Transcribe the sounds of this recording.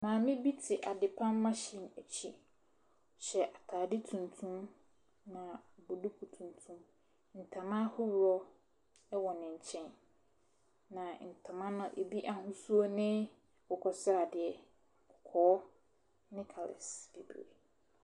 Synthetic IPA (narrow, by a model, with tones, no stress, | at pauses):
nãː˨mɪ̃˦bi˦tʰɪ˨ʔa˨dɪ˨pʰã˦m˦mã˦ɕĩ˨næ˨t͡ɕʰi˦ | ɕɛ˨ʔa˨tʰaː˨dɪ˦tʰũ˨ntʰũ˦m | nã˨bo˨du˦kʰu˨tʰũ˨ntʰũ˦m | n̩˨tʰã˨mã˦hʊ˦wɾɔ˦ | ɛ˦wɔ˨nɪ̃˨ɲ̩˨t͡ɕʰɛ̃˦n | nã˨n̩˨tʰã˨mã˦nʊ̃˦ʔe˨bi˦ʔa˨hʊ̃˦su˦o˦nɪ̃˦ | ʊ˨kʰɔ˨sʊ˦a˨dɪ˨ɛ˨ | ʊ˨kʰɔ˨˦ | nɪ̃˦kʰɔ˨lɛ̰˨sb̥i˨bi˨ḛ˨